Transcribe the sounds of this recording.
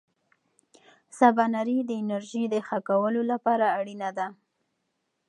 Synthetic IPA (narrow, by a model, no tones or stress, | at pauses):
sabanaɾid̪əɪnaɾʒid̪əxakawəlolapɑɾaːɽinad̪a